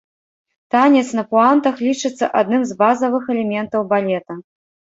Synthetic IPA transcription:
t̪anʲɛt̪snɐpuant̪ɐxlʲit͡ʂɨt̪sːɐ̰ʔad̪nɨmzbazɐvɨxɛlʲɛmʲɛnt̪ɐwbalʲɛt̪ɐ

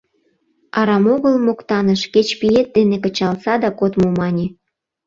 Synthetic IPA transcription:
ɑɾɑmoɣəlmokt̪ɑnəʃket͡ɕpijet̪̚d̪enekə̆t͡ɕɑlsɑd̪ɑkot̪mumɑnʲe

